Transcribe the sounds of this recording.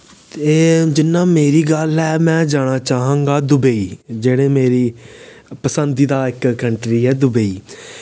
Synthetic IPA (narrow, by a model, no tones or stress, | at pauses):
t̪eːd͡ʒɪnːãːmeːɾiːɡəlɦɛːmɛ̃ːd͡ʒaːɽ̃aːt͡ʃaːɦãːŋɡaːd̪ʊbeiːd͡ʒeːɽẽːmeːɾiː | pəsənd̪iːd̪aːɪkkəɳʈɾiːɦɛːd̪ʊbəiː